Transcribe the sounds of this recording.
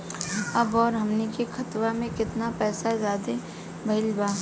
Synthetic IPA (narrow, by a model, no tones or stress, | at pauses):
ɐbɔːɾɦɐmnikixʰɐt̪ʋamẽkɪt̪napɛːsazjaːd̪e | bʱɐɪlbaː